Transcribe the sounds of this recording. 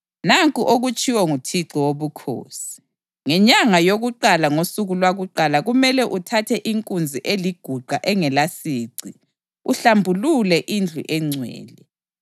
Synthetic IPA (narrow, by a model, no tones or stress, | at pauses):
naŋkʼuʔoɣut͡ʃʼiwɔŋutʰiǀiwoβukʰo̰ːsi̥ | ŋɛɲaŋajoɣuǃalaŋosuɣulwaɣuǃalaɣumɛlɛʔutʰatʰɛʔiŋkʼund͡zʱiʔeliɡ̥ʱuɡ͡ǃʱaʔɛŋɛlasiːǀi | uɬambʱululɛʔind͡ɮʱṵʔɛŋ͡ǀʱwɛ̰ːlɛ